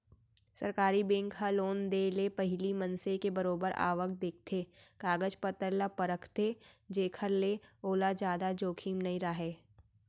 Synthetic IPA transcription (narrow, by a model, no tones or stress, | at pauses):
sɐɾkaːɾibẽːŋkɦaloːnd̪eːlepɐɦɪlimɐnsekebɐɾoːbəɾa̰ːʋəkd̪eːk̚ʰt̪ʰekaːɡəd͡ʒpət̪əɾlapɐɾəkʰt̪ed͡ʒeːkʰəɾleoːlad͡ʒjaːd̪ad͡ʒoːkʰiːmnɐĩɾaɦeː